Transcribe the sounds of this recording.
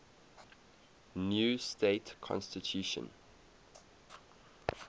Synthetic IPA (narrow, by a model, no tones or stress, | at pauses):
njuːsteɪtkʰɔ̰̃nstitʰjuʃə̰̃n